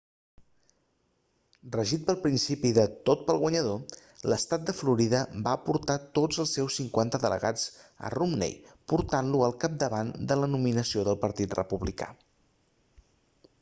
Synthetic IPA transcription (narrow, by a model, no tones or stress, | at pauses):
rəʒit̪̚pəlˠpɾinsipiðət̪ot̪̚pəlˠɣwəɲəðo | ləst̪at̪̚d̪əfluɾiðəbaːpuɾt̪at̪od͡zəlˠsːɛwsːiŋkwant̪əðəlʔə̰ɣad͡zə̰rumnḛjpuɾt̪anluəlˠkap̚d̪əβand̪ələnuminəsioðəlˠpəɾt̪it̪rə̰puβlika̰